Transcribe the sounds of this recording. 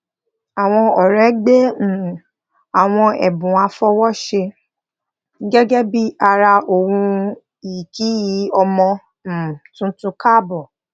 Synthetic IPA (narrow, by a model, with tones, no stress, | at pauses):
a˨w̃ɔ̃˧ɔ˨ɾɛ˨˦ɡ͡bẽ˦˨ | a˨w̃ɔ̃˧ɛ̰˨bũ˨a˧fɔ˧˦wɔ˦ʃe˧˦ | ɡɛ˦ɡɛ˦bi˦a˧ɾa˧ʔo˨wũ˧ | i˨ki˨˦ji˨˦ɔ˧mɔ̃˧˨ | tũ˦tũ˧ka˦˨bɔ˨